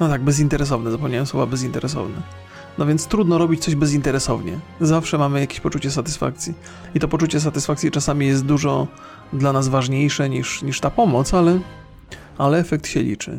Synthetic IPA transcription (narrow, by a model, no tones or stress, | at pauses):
nɔt̪aɡ̚bɛzint̪ɛɾɛs̬ɔvnɛzapɔmɲajɛ̃m̃swɔvabɛzint̪ɛɾɛs̬ɔ̰vnɛ | nɔvʲjɛnt̪st̪ɾud̪nɔɾɔbʲit͡ɕt̪sɔʑbɛzint̪ɛɾɛsɔvɲɛ̰zafʂɛmamɘjakʲeɕpɔt͡ʂut͡ɕɛsat̪ɘ̥sfa̰k̚t̪sʲji | it̪ɔpɔt͡ʂut͡ɕɛs̬at̪ɘsfak̪̚sʲjit͡ʂasamʲijɛst̪̚d̪uʐɔ | d̪lanazvaʐɲejʂɛɲiʂɲiʂt̪apɔmɔt̪salɛ | alɛɛfɛk̚t̪ɕɛlʲḭt͡ʂɘ̰